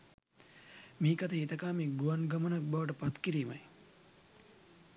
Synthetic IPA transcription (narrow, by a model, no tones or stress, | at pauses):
miːkat̪əɦit̪ɐkaːmiːɡuanɡamənak̚baʋəʈ̬əpat̪kiɾiːmaj